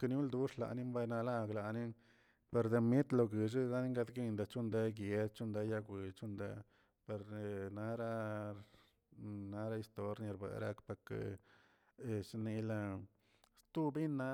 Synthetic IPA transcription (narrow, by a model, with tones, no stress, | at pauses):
ka˧n˦u˦ld̪u˦ʂla̰˨ni˦mba˧jna˧la˧ɡla˨ni˦n | pe˧ɾd̪e˧mi˦t̪lo˧ɡi˨ʐ̬i˦ɡa˦ni˦ŋɡa˧d̪ɡi˦˧nd̪a˨t͡ʃu˦˧nd̪e˧˦ɡje˧d̪t͡ʃu˦nd̪e˧˦ja˧ɡʷi˨t͡ʃu˦nd̪ḛ˧˦ | pe˧ɾna˦ɾa˦ | na˧ɾa˦i˧st̪o˧ɾni˧ɾbḛ˨ɾa̰˧kpa˧kḛ˨˧ | ʂni˧la˧ | st̪u˦bi˦nːa˦